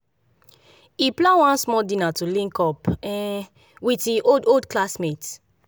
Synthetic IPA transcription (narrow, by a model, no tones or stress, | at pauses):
iplawãnsmɔdĩnatulĩŋkɔpɛ̃ | witiʔododklasmet